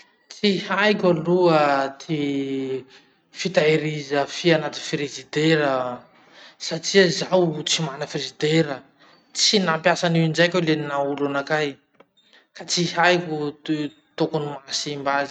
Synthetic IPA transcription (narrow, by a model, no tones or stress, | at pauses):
t͡sihajkʲaluət̪ʰi | fit̪aeɾizəfianat̪infiɾizid̪eɾə | saʈ͡ʂiəzawt͡simanəfiɾizid̪eɾə | t͡sinampjasaniind͡ʒajkʲeleninaulanakaj | kat͡sihajkʲu | t̪okunimasimbazi